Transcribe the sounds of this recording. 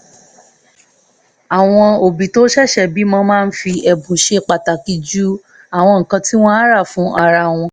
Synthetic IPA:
a˨w̃ɔ̃˧o˨bi˨to˦ʃɛ˦˨ʃɛ˦˨bi˨˦mɔ̃˧mãː˦˧n̩˦fi˧ɛ˨bũ˨ʃe˧k͡pa˨ta˨ki˧d͡ʒu˦ | a˦˨w̃ɔ̃˧ŋ̩˨kã˧ti˦w̃ɔ̃˦a˦ɾa˦˨fũ˨˦ʔa˧ɾa˧w̃ɔ̃˧

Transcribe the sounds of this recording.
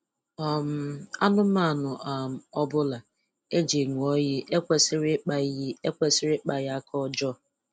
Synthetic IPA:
ɔ˨m̩˨a˦nʊ˦ma˦˨nʊ˨ʔa˨m̩˨ɔ˦bʊ˦la˨ | e˦d͡ʒe˨ŋu˨ɔ˦jɪ˦ʔe˦kʷe˨sɪ˦ɾɪ˦k͡pa˦i˦e˦kʷe˨sɪ˦ɾɪ˦k͡pa˨ja˦kʰɔ˦d͡ʒɔ˦

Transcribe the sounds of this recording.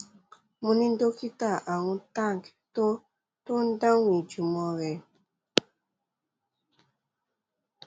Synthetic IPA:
mu˨ni˦n̩˦do˦ki˦ta˦˨ʔa˨ŋu˦ta˦˨ŋ˨kto˦ | to˦n̩˦da˦ŋwi˨d͡ʒu˨mɔ˦ɾɛ˨

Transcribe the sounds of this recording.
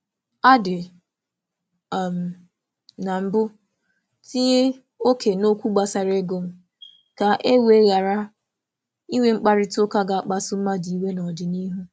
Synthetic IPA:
a˦dɪ˨ | m̩˨ | na˨m̩˦bʊ˦ | ti˦e˦ | o˦kʰe˨no˦kʷu˦ɡ͡ba˨sa˨ɾe˦ɡo˦m̩˦ | ka˨ʔe˦we˦ɣa˨ɾa˦ | i˦wʷe˦ŋ͡m̩˦k͡pa˦ɾɪ˦tʊ˦ka˦ɡa˨a˨k͡pa˦sʊ˦m̩˦ma˦di˨i˦we˦nɔ˨dɪ˨ni˦ɦu˦

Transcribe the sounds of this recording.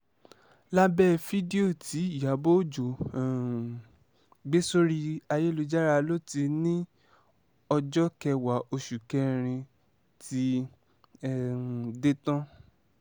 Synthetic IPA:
la˦bɛ˦˨fi˦di˦o˦˨ti˨˦˨ja˨˦bo˦˨d͡ʒo˨ | ɡ͡be˦so˦ɾi˧a˧je˦lo˧d͡ʒa˦ɾa˧lo˦ti˧nĩ˦ | ɔ˧d͡ʒɔ˦kɛ˧wa˨˦ʔo˧ʃu˨kɛ˦˧ɾ̃ĩ˧ | ti˧˦˨ | de˦tã˦

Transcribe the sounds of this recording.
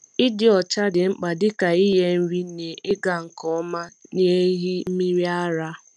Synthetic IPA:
ɪ˦dɪ˦ɔ˨t͡ʃa˦dɪ˨ŋ͡m̩˦k͡pa˨dɪ˦ka˨i˦ɦe˦n̩˦ɾi˦ne˨ɪ˦ɡa˨ŋ̩˨kɔ˦ma˦n˦e˦ɦi˦m̩˦mi˦ɾi˦a˦ɾa˦

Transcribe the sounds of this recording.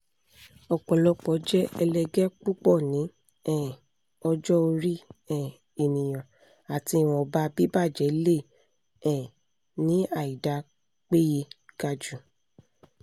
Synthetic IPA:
ɔ˨k͡pɔ˨lɔ˨˧k͡pɔ˨˦d͡ʒɛ˦ɛ˧lɛ˧ɡɛ˦k͡pu˦k͡pɔ˦˨nĩ˨˦ | ɛ̃˦˨ | ɔ˧d͡ʒɔ˦o˧ɾi˦ɛ̃˦˨ | e˨nĩ˨j̃ã˨ | a˨ti˧˨w̃ɔ̃˧ba˧˦bi˦ba˦˨d͡ʒɛ˨˦le˦˨ | ɛ̃˨ | nĩ˨˦a˦˨i˨da˨˦ | k͡pe˦je˧ɡ̥a˧d͡ʒu˦

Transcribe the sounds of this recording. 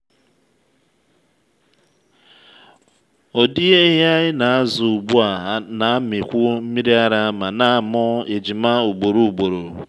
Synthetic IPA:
o˨di˦e˦ɦja˦ɲɪ˦na˨a˦zʊ˨u˨bu˦a˨ɦa˦na˨a˦mɪ˨kʷʊ˦m̩˦mi˦ɾi˦a˦ɾa˦ma˨na˦a˨mɔ˦e˨d͡ʒi˨ma˦u˨ɡ͡bo˨ɾu˨u˨ɡ͡bo˨ɾo˨

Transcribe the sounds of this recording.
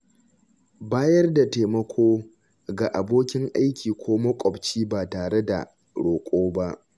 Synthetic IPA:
baː˦jɐ˦rda˨teː˨mɐ˦kʷʰoː˦ | ɡa˨ʔa˨boː˦kʲɪ˦ŋʔa˦jkʲʰiː˨kʷʰoː˦mɐ˦kʷʼɔ˨bt͡ʃiː˦baː˨taː˨ɽe˦da̰˨ | ɽoː˨kʷʼoː˦ba˦ʔ

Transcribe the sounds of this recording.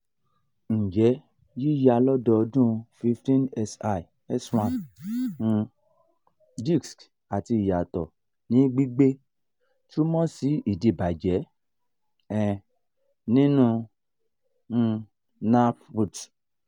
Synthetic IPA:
n̩˨d͡ʒɛ˨˦ | ji˦ja˧lɔ˦dɔ˧ɔ˧dũ˦fi˧ftĩ˦nɛ˧sa˧i˨ | ɛ˦swã˨n̩˧ | d͡ʒi˦˨ksk | a˨ti˧i˨ja˨tɔ˨ | nĩ˨˦ɡ͡bi˦ɡ͡be˦ | tu˦mɔ̃˦si˨˦i˦˨de˨ba˨d͡ʒɛ˨˦ | ɛ˨ | nĩ˦nũ˦˧ | na˦fu˨t

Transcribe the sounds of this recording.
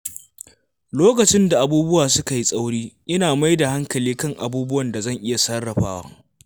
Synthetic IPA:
loː˦kɐ˨t͡ʃɪ˦nda˨ʔa˨buː˦bʊ˦waː˨sʊ˦ka˨ji˦sʼa˦wɽiː˦ʔɪ˦naː˨ma˦jda˨ha˦ŋkɐ˨liː˦kɐ˦˨ŋʔa̰˨buː˦bʊ˦wɐ˨nda˨zɐ˦˨ŋʔɪ˦ja˨sɐ˦rːɐ˨ɸaː˦waː˦

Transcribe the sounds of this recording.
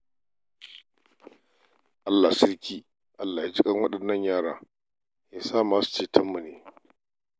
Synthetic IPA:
ʔa˦lːa˨sɪ˦ɾkʲiː˦ | ʔa˦lːa˨jaː˦d͡ʒɪ˦kʼɐ˦ŋwɐ˦ɗɐ˨nːɐ˦ɲjaː˦ɽaː˦ | jaː˦saː˦˨maː˦su̥˨t͡ʃeː˨tʰɐ˦mːu˨neː˨

